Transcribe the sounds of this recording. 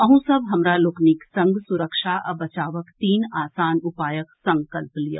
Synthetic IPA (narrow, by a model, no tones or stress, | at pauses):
ɐɦũsɐbɦɐmɾalʊknɪksɐ̃ŋɡsʊɾəkʃaʔɐbɐt͡ʃaːʋəkt̪iːnaːsaːnʊpaːjəksɐ̃ŋkəlplijə̰